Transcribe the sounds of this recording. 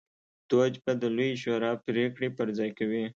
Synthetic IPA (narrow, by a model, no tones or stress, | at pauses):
d̪̥od͡ʒbad̪əlojʃoɾɑpɾekɽepəɾzɑjkawi